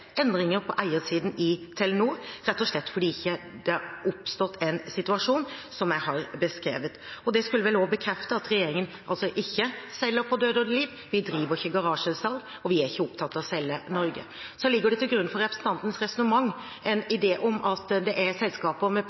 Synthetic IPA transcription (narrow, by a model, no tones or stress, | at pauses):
ɛnd̪ɾɪŋəɾpʰɔʔæɪəsiːd̪n̩ɪt̪ʰɛlɛnuːɾɛt̪ːɔʂlɛt̪ːfɔɖiːɪçːəd̪ɛʊpst̪ɔt̪ʰːɛnsɪt̪ʉɑʂuːnsɔmjæɪhɑɾbəskɾeːʋət̪ɔd̪ɛskʉlːəʋɛlobəkʰɾɛft̪əɑt̪ɾɛjeːɾɪŋənʔɑlsɔʔɪçːəsɛlːəɾpʰɔd̪øːd̪ɔd̪əliːʋ | ʋɪd̪ɾiːʋəɾɪçːəɡɑɾɑːʂəsɑl | ɔʋɪæɾɪçːəʊpt̪ʰɑt̪ːɑʋɔsɛlːənɔɾɡə̰ | sɔlɪɡːəɖɛt̪ɪlɡɾʉnːfɔɾɛpɾsn̩t̪ɑnt̪n̩sɾɛsɔnəmɑŋː | ɛnɪd̪eːʔɔmɑt̪d̪ɛʔæɾsɛlskɑːpəmɛ